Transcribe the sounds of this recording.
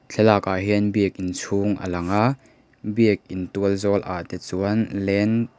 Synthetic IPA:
t͡ɬʰɛlaːkaɦiənbiək̚ʔint͡sʰuŋʔə̰lɐŋa | biək̚ʔint̪uəlzɔːlʔa̰t̪ɛt͡suənlɛn

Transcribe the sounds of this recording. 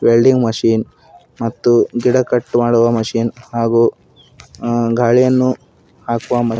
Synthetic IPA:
beːlɖiŋɡmɐʂiːn | mɐt̪ːuɡiɽɐkɐʈːmaːɽuʋɐmɐʂiːnhaːɡuː | ɡʱaːɭijɐnːu | haːkuʋɐmɐ

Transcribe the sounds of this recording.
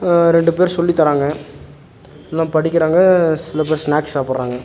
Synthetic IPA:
ɾɛɳɖɯpeːɾsɔlːit̪ɐɾaːŋɡɐ | lãːpɐɽɪkʲːɪɾaːŋɡɐsɪlɐp̬eːɾsnaːkssaːpɯɽɾaːŋɡɐ

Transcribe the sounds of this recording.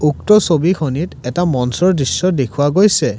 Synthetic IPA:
uktɔsobikʰonitɛtamɔnsɔɹdisːɔdekʰuwaɡojsɛ

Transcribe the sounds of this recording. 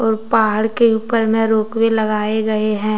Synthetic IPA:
ɔːɾpaːɦəɽkeuːpəɾmẽɾoːkwelɐɡaːeɡɐeɦɛ̃ː

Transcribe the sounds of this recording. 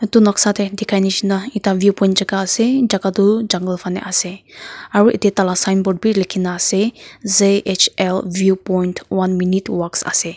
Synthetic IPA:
t̪unɔksat̪ʰed̪ikʰajnit͡ʃʰinait̪aʋjupɔĩntd͡ʒakaːsed͡ʒaɡad̪ud͡ʒaŋɡəlpʰanḛʔaseaɾuʔḭt̪et̪alasajnbɔɖ̚bilikʰinaːsezeet͡ʃʰelʋjupɔjnʈwanminitwaksa̰se

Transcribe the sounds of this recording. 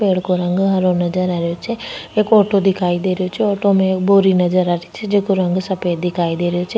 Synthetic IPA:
peːɽkoɾɐ̃ŋɡɦɐɾonɐd͡ʒəɾaːɾɪjot͡ʃʰeeːkoːʈod̪ɪkʰaːid̪eːɾɪjot͡ʃʰeoːʈomẽeːk̚boːɾinɐd͡ʒəɾaːʈʰi̥t͡ʃʰed͡ʒeːkoɾɐ̃ŋɡsɐpeːd̪ɪkʰaːid̪eːɾɪjot͡ʃʰe

